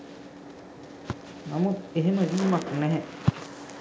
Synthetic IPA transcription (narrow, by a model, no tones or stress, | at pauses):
namud̪eɦeməɡiːmaknɛɦɛ